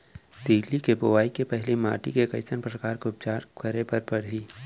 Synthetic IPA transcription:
t̪iːlikeboʋaːikepɛɦlima̰ːʈikekɐɪsənpɾəkaːɾkoʊp̚t͡ʃaːɾkəɾepɐɾpɐɽ̤iː

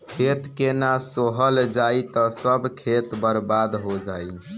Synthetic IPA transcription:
kʰet̪kenasoɦəld͡ʒait̪ɔsəbkʰet̪bəɾbad̪ɦod͡ʒai

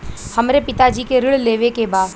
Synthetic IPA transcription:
hɐmɾepɪt̪ad͡ʒiːkeɾɪɭleːʋekebaːd̪

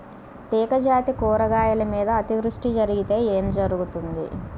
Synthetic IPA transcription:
t̪iːkɐd͡ʒaːt̪ikuːɾɐɡaːjɐlɐmiːd̪ɐːt̪iʋɾuʂʈid͡ʒɐɾiɡit̪e̞ːeːmd͡ʒɐɾuɡut̪und̪ḭ

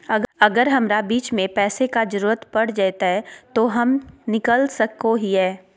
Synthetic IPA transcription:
ɐɐɡəɾɦɐmɾabiːt͡ʃmẽpɛːsekad͡ʒəɾuːɾət̪pɐɽ̤d͡ʒajt̪aɦɛt̪oɦɐmnɪkəlsɐkoɦiɦɛː

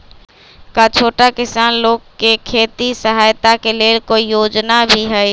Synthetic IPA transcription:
kat͡ʃʰoːʈakɪsaːnloːɡkekʰeːt̪isəɦaːjt̪akeleːlkoijoːd͡ʒnabʱiɦɛj

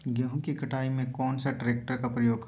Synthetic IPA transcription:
ɡjaɦũkikɐʈʰaːimẽkɔːnsaʈɾeːk̚ʈəɾkapɾəjoːɡ

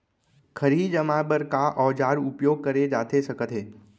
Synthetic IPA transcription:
kʰəɾiːd͡ʒəmaːbəɾkaʔɔːd͡ʒaːɾʊpjoːɡ̚kəɾed͡ʒaːt̪esɐkət̪ɦeː

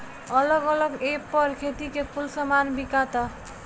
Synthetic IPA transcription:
ʌlʌɡʌlʌɡepːʌɾkʰet̪ikepʰulsəmanbikat̪a

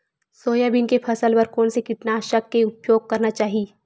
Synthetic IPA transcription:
soːjabɪnkepʰɐsəlpɐɾkɔːnsekɪʈnaːʃɐkːeʊpjoːɡ̚kɐɾnat͡ʃaːɦiː

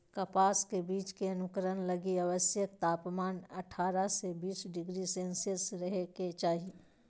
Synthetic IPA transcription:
kɐpaːskebiːt͡ʃkeɐnʊkəɾənlɐɡiaʋəsjək̚t̪aːpmaːnɐʈʰaːɾasebiːsɖɪɡɾisẽːnsɪsɾɐɦeket͡ʃaːɦie

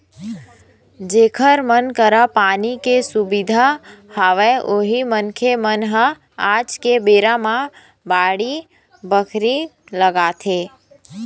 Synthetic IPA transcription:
d͡ʒeːkʰəɾmənkəɾapaːnikesubid̪ʱahaːʋeʔoːɦimənkʰemənɦə | aːd͡ʒkebeːɾãmã | baːɽi | bəkʰɾiləɡaːt̪ʰeː

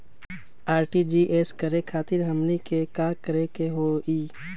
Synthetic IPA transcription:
aːɾʈid͡ʒiʔeːskəɾekʰaːt̪ɪɾɦəmnikekaːkəɾekeɦoːiː

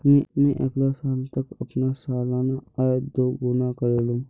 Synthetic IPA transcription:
mẽmẽʔeːklasaːlt̪əkɐpnasaːlaːnaad̪oːɡʊnakəɾeːlum

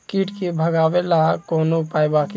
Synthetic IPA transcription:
kiːʈkebʱəɡaːwelaɦkoːnopaːjbak

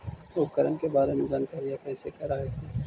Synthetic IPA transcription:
oːkəɾənkebaːɾemẽd͡ʒankaɾijakɛːsekɐɾaːɦeka

